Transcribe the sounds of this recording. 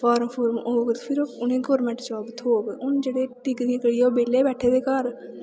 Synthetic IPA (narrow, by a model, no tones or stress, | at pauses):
pʰaːɾəmpʰoːɾmoːɡt̪pʰɪɾoːʊnẽːɡɔːɾmɛ̃ːɳʈd͡ʒəʋaːbət̪ɦoːɡʊnd͡ʒeːɽeːʈɪkd̪ĩkəɽiːoːbeːleːbɛːʈʰeːd̪eːkəɾ